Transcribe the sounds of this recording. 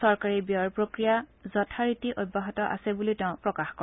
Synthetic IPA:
ɔɹkaɹibjɔɹpɹokɹijazɔtʰaɹitiʔot̚baɦɔtɔʔa̰sɛbuliteʊ̃pɹɔkaxkɔ

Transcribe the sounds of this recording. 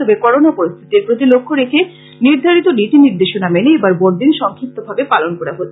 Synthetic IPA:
obekɔɾonapoɾist̪ʰit̪iɾpɾot̪ilokʰːoɾekʰe | niɾd̪ʱaɾit̪oɖiʈiniɾd̪eʃonameneebaɾboɾd̪inʃɔŋkʰik̚t̪obʱabepalonkɔɾaɦot̪ː

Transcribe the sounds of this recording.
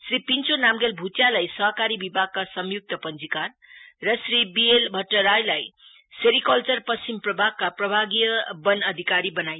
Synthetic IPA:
sripint͡sonamɡelbʱutjalajsʌɦkaɾibibʱaɡ̚kasʌmjuk̚t̪ʌpʌnd͡zikan | rʌsribielbʱʌʈːʌɾajlaj | seɾikʌlt͡sʌrpʌst͡ɕimprʌbʱaɡ̚kaprʌbʱaɡijʌbʌnʌd̪ʱikaɾibʌnaj

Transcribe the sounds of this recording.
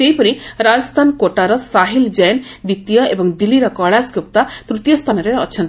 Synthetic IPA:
sejpɔɾ̃iɾad͡ʒɔst̪ʰankoʈaɾɔsaɦild͡ʒajnd̪it̪ijɔebɔŋd̪ilːiɾɔkɔɭaskup̚t̪at̪ɾut̪jɔst̪ʰanɔɾeɔt͡ʃʰɔnt̪

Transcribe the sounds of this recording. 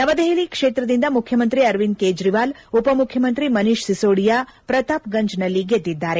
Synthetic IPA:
nɐʋɐd̪eɦelikʂeːt̪ɾɐd̪ind̪ɐmukʰjɐmɐnt̪ɾiɐɾʋinkeːd͡ʒɾiʋaːl | upɐmukʰjɐmɐnt̪ɾimɐniʂsisoːɽijapɾɐt̪aːpɡɐɲd͡ʒnɐlːiɡed̪ːid̪ːaːɾe̞

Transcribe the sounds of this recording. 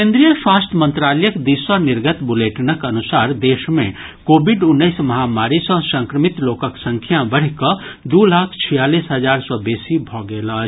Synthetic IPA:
kẽnd̪ɾijəswast̪ʰmə̃nt̪ɾaləjəkd̪isɔniɾɡət̪buleʈnəkənusaɾd̪esmẽ | kobʱiɖunːəɪsməɦamaɾisɔ̃sə̃ŋkɾəmit̪lokəksə̃ŋkʰijabəɽ̤kəd̪ulakʰt͡ʃʰijalisɦəd͡ʒaɾsɔbesibʱɔɡela

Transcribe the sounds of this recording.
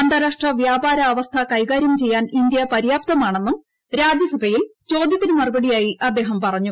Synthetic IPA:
ɐnd̪ɐɾaːʂʈrɐʋjaːbaːɾɐːʋɐst̪ʰɐkɐjɡaːɾjɐmt͡ɕe̞jːaːnind̪jɐpɐɾjaːp̚t̪ɐmaːɳe̞nːum | ɾaːd͡ʑjɐsɐbʱɐjilt͡ɕo̞ːd̪jɐt̪ːinɨmɐrubɐɽijaːjiɐd̪ːe̞ːɦɐmpɐrɐɲːu

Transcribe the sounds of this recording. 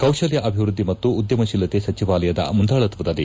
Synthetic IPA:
kɐwʃɐljɐʔɐbʱiʋɾud̪ʱːimɐt̪ːuːd̪jɐmɐʃilːɐt̪esɐt͡ʃiʋaːlɐjɐd̪ɐ̰mund̪ʱaːɭɐt̪ʋud̪ɐlːi

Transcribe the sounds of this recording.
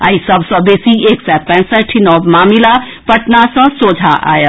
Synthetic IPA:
a̰ːisɐbsɔ̃beːsieːksɛt̪pɛ̃səʈʰinɔːbmaːmila | pɐʈnasɔ̃soːd͡ʒʱaʔa̰ːjə

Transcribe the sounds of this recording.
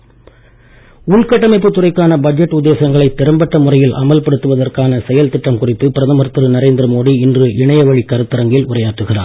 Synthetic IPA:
ʊɭkɐʈːɐmɐɪpːɯt̪ːʊrɐɪkːaːnɐbɐd͡ʒɛʈːʊd̪ːeːsɐŋɡɐɭɐɪt̪ːɛɾɐmbɐʈːɐmʊrɐjɪlʔɐ̰mɐlpɐɽɯt̪ːɯʋɐðɐrkaːnɐsɛjɐlt̪ɪʈːɐmkʊrɪpːɯpɪɾɐðɐmɐɾt̪ːɯɾɯnɐɾeːnd̪ɪɾɐmoːɽiɪndrɯʔɪɳɐjɐʋɐɻikːɐɾɯt̪ːɐɾɐŋɡɪlʊrɐjaːʈːɯɣɪra̰ː

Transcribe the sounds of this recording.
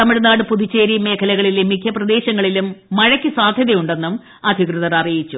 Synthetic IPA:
t̪ɐmiɻnaːɽɨpuðit͡ɕːe̞ːɾime̞ːkʰɐlɐɣɐɭilumːikʰjɐprɐd̪e̞ːɕɐŋːɐɭilumːɐɻɐkʲːisaːd̪ʱjɐðɐjuɳɖe̞nːum | ɐd̪ʱikrɨðɐɾɐrijit͡ɕːu

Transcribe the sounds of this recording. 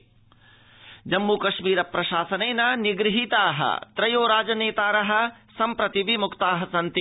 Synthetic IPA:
d͡ʒɐmːukɐʂmiːɾɐpɾɐʃaːsɐnɐjnɐniɡɾɦit̪aːɦɐ̰t̪ɾɐjoːɾaːd͡ʒɐneːt̪aːɾɐɦɐ̆sɐmpɾɐt̪iʋimukt̪aːɦɐsɐnt̪i

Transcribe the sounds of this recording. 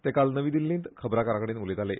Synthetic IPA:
t̪ekalnəʋid̪ilːint̪kʰəbɾakaɾakəɽ̃inulet̪ale

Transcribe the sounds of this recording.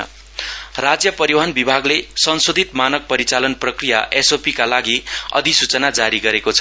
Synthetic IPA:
rad͡zjʌpʌɾiwanbibʱaɡlesʌnsod̪ʱit̪manʌk̚pʌɾit͡salʌnprʌkrijaʔesopikalaɡiʌ̰d̪isut͡sʌnad͡zaɾiɡʌɾekot͡sʰʌ

